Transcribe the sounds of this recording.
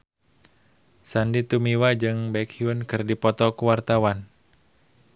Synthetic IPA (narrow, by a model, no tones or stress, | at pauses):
sandit̪umiwad͡ʒɨŋbɛkhiunkɨrdipɔt̪ɔkuwart̪awan